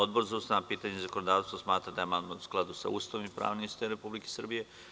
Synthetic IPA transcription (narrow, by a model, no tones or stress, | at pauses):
od̪boɾzaust̪aapiːt̪aɲezakonod̪aːʋt̪st̪osmaːt̪ɾad̪ajemand̪mau̥sklˠad̪usa̰uːst̪aʋimipɾa̰ːʋnimist̪ɾe̞publike̥sr̩bije̞